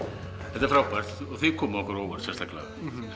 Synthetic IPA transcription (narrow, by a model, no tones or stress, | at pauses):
ɛht̪afɾawpar̥t̪ɔɣθɛkʰɔːmɪɔhkɔɾɔwkansɛst̪ʰakla̰